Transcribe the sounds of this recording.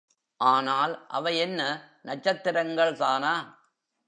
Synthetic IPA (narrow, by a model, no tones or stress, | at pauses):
ʔaːnaːlʔɐ̰ʋɐɪɛnːɐnɐt͡ʃːɐt̪ːɪɾɐŋɡɐɭt̪aːnaː